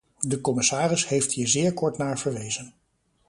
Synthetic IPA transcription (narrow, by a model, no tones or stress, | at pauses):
dəkɔmɪsaːrɪshejfthiːɹzɪːɹkɔɹtnaːɹvəɹʋejzən